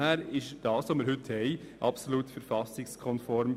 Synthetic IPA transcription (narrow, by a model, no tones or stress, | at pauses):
hæːɾɪʃd̥ɑːsʋomiːɾhɦʏthɛɪ | ʔɑpsoluːtfəɾfɑsɪkskʰɔnfɔɾm